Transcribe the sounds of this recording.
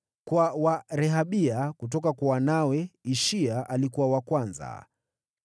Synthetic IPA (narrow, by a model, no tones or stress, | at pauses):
kwawaɾɛɦaɓiakut̬ɔkakwawanawɛiʃiaʔalikuwawakwanza̰